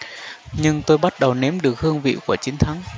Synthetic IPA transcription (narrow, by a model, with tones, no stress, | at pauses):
ɲɨ˧ŋt̪o˧jɓa˦˥t̚ɗə˨˩wne˨˦mɗɨ˨˩ək̚hɨ˧əŋvḭ˧˨ku˧˩ət͡ɕi˨˦ŋ̟t̪ʰa˨˦ŋ